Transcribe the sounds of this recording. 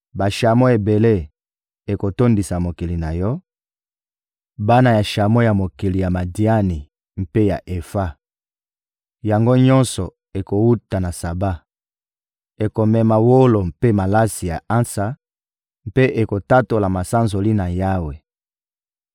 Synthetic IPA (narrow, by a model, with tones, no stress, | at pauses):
ba˨ʃa˨mo˦e˨be˨le˦ | e˨ko˨to˦ndi˨sa˨mo˨ki˨li˨na˨jɔ˦ | ba˦na˨ja˨ʃa˨mo˦ja˨mo˨ki˨li˨ja˨ma˨di˦a˦ni˨ | m̩˦pe˦ja̰˨ʔe˨fa˦ | ja˨ŋɡo˦ɲɔ̃˦nsɔ˨ | e˨ko˨wu˦ta˨na˨sa˨ba˦ | e˨ko˨mɛ˨ma˨wo˦lo˨mpe˦ma˨la˦si˨ja˨a˦nsa˨ | mpe˦ʔe˨ko˨ta˦to˨la˨ma˨sa˦nzo˨li˦na˨ja˦we˨